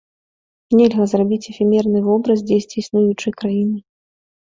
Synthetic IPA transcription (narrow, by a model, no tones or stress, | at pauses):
nʲɛlʲɣɐzrabʲit͡sʲɛfʲimʲɛrnɨvɔbɾɐz̬d͡zʲejsʲt͡sʲisnujut͡ʂɨjkɾajinɨ